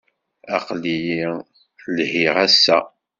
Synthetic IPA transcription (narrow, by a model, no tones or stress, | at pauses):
æ̰qliji | lhiʁæsːæ̰